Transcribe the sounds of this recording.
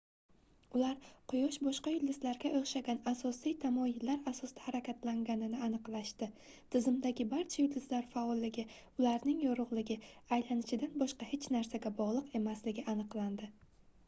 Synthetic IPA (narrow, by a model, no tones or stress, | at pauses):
ʊlaɾqʰʊjɒʃbɒʃqɑjʊld̪ɪzlaɾɡʲaʔoχʃaɡʲanasɒsijt̪ʰamɒjɪlːaɾasɒsd̪ḁhaɾakʲʰat̪laŋɡʲanɪnɪanɨqlˠaʃt̪ɪ | t̪ʰɪzɪmd̪aɡʲɪbaɾt͡ʃʰajʊlɪzlaɾfaɒlːɪɡʲɪ | ʊlaɾnɪŋjɒɾʊʁlˠɪɡʲɪajlanɪʃɪd̪anbɒʃqɑhet͡ʃnaɾsaɡʲabɒʁlˠɨqe̞maslɪɡʲɪʔanɨqlˠand̪ɪ